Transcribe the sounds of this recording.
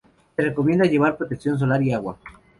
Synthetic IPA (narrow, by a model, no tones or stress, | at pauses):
sereko̞mje̞nd̪aʝe̞βaɾpɾot̪eksjo̞ns̬o̞laɾiaɣwa̰